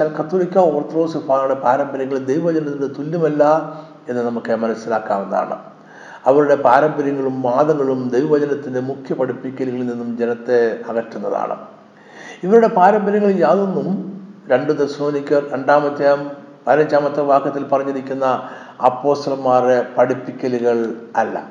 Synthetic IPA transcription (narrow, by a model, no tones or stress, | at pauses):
t͡ɕaːlkɐt̪ːoːlikʲːɐoːrt̪ro̞ːsufaːɾuɽe̞paːɾɐmbɐɾjɐŋːɐɭd̪ejʋɐʋɐd͡ʑɐnɐt̪ːindet̪ulːɐmɐlːɐ | e̞nːɨnɐmukːɨmɐnɐsːila̰ːkːa̰ːmʋenːa̰ːɳɨ̰ | ɐʋɐɾuɽe̞paːɾɐmbɐɾjɐŋːɐɭumːaːðɐŋːɐɭumd̪ejʋɐʋɐd͡ʑɐnɐt̪ːinde̞mukʰjɐpɐɽupːikʲːɐliɣɐɭlninːumd͡ʑe̞nɐt̪ːeɐɣɐʈːunːɐða̰ːɳɨ̰ | iʋɐɾuɽe̞paːɾɐmbɐɾjɐŋːɐɭjaːðenːumɾe̞ɳɖɨt̪esmoːnikʲːɐrɾeɳɖaːmɐt̪ːjaːm | pɐːɾɐd͡ʑaːmɐt̪ːɐʋaːkːɐt̪ːilpɐrɐɲːiɾikʲːunːɐ | ɐpːo̞ːst̪ɐlɐmːaːrepɐɽipːikʲːɐliɣɐɭɐlːɐ̰